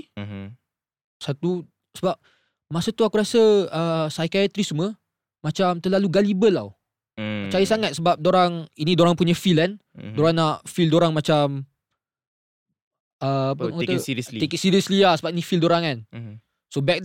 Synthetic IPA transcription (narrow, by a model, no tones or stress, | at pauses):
sat̪u | səbap̚ | masət̪uakuɾasəəsajkaat̪ɾismə | mat͡ʃamt̪əlaluɡalibəlːa̰w | t͡ʃajəsaŋat̪̚səbap̚doɾaŋinĩdoɾaŋpuɲafilandoɾaŋnaʔfildoɾaŋmat͡ʃam | əapəkat̪əsiikit̪̚siɾiəsliasəbap̚inĩfildoɾaŋan | sobɛk̚